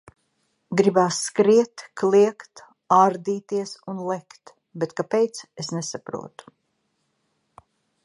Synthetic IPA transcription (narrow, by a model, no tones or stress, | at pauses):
ɡɾibaːsːkɾiɛt̪kliɛkt̪ | aɾd̪iːt̪iɛsunlɛkt̪ | bet̪kapejt̪sesnesapɾṵɔt̪u̥